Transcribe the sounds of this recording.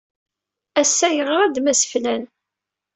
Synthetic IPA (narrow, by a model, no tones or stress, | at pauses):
æsːæjəʁɾˤæd̪mæsə̥flæn